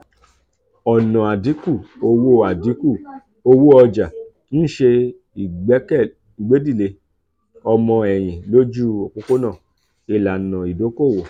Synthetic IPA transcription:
ɔ˨nɔ̃˨a˨di˨˦ku˦˨o˧wo˦a˨di˨˦ku˦˨ | o˧wo˦ɔ˧d͡ʒa˨ | ñ̩˦˨ʃe˧ | i˨ɡ͡bɛ˨˦kɛ˦˨ | i˨ɡ͡be˨˦di˦˨le˧ | ɔ˧mɔ̃˧ɛ˨j̃ĩ˨lo˦d͡ʒu˦o˨k͡po˦ko˦nã˦˨ | e˨la˨nã˨i˨do˨˦ko˦˨wo˨

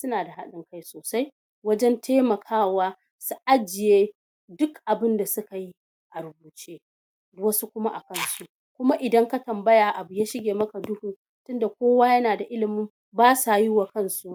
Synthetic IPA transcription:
sʊ˦naː˨da˨ɦa˦ɗɪ˦ŋka˦jsoː˨sa˦j | wɐ˦d͡ʒɛ˦ntʰeː˦mɐ˨kʰaː˦waː˦ | su˦ʔa˦d͡ʒɪ˨jeː˦ | dʊ˦kʔa˨bɪ˦nda˨sʊ˦ka˨ji˦ | ʔa˨ɾʊ˨buː˨t͡ʃeː˦˨ | wɐ˦su˦kʷʊ˦ma˦ʔa˨kɐ˦˨nsu˦ | kʷʊ˦ma˦ʔɪ˨dɐ˦ŋka˦tɐ˨mbɐ˦jaː˨ʔa˨bʊ˨jaː˦ʃɪ˦ɡʲeː˨mɐ˦ka˨dʊ˦hu˨ | tʊ˦nda˨kʷoː˦waː˦jɐ˦naː˨da˨ʔɪ˦lɪ˨mɪ˦m | baː˦sa˨ji˦wa˨kɐ˦nsu˦ʔ

